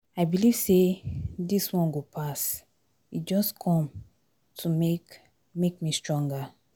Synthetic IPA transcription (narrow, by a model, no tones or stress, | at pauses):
aɪbiliv̥sediswɔ̃nɡopʰas | id͡ʒɔskʰɔ̃m | tʰumek | mek̚mistɹɔ̃ŋɡa